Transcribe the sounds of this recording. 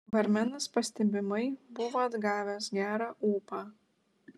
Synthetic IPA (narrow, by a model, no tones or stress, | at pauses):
ʋɐɾʲmʲɛnɐspɐsʲt̪ʲɛbʲɪmɐɪbʊʋoːɐd̪ɡɑːʋʲɛsɡʲæːɾɑːʔuːpɑː